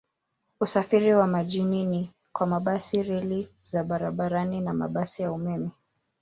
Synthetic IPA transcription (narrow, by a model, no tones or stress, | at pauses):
usafiɾiwamaʄinini | kwamaɓasiɾilizaɓaɾaɓaɾaninama̰ɓasijaumɛmɛ